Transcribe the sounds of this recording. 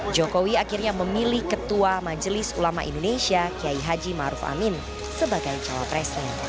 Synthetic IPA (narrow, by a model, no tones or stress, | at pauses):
d͡ʒokowiakirɲaməmilihkət̪uamad͡ʒəlɪsulama̰ʔḭndonesiakiaiɦad͡ʒima̰ɾufa̰min | səbaɡajt͡ʃawa̰pɾɛsɲa